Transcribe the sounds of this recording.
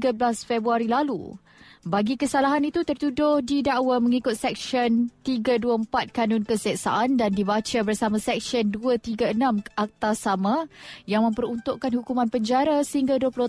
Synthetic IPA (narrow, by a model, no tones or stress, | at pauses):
ɡəblasfɛbɾuaɾilalṵ | baɡikəsalaɦanit̪ut̪ərt̪udʊhdidaʔwaməŋikʊt̪̚sɛk̚sɔnt̪iɡaduəəmpat̪̚kanʊnkəsɛʔsa̰ʔandandibat͡ʃabərsamãsɛk̚ʃənduət̪iɡaənãmʔak̚t̪asamãjaŋmə̃mpəɾunt̪ʊʔkanhukumãnpəɲd͡ʒaɾasəhiŋɡaduəpulo